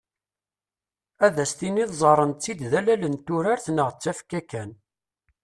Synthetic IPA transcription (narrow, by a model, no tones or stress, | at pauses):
æðæst̪iniðzˤɑɾˤənt͡sːid̪ðælælənt̪ːʊɾaɾθnəʁt͡sːæfkækæn